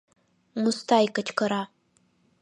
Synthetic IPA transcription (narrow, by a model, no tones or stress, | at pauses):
mustʰaikɐt͡ʃʰʼkʰɐɾa